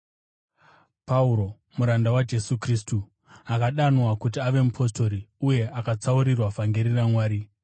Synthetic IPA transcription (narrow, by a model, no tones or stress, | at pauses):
pauɾo̞ | muɾandawad͡ʒe̞sukristu | akaɗanwakut̬iaʋe̞mupʰo̞sto̞ɾiuje̞ʔakat͡sauɾirwavaŋɡeɾiramwaːɾi